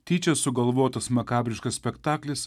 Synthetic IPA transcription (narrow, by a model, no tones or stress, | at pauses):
t̪ʲiːt͡ʃʲɛsʊɡɐlˠʋoːt̪ɐsmɐkɑːbʲɾʲɪʃkɐsʲsʲpʲɛkt̪ɑːklʲɪs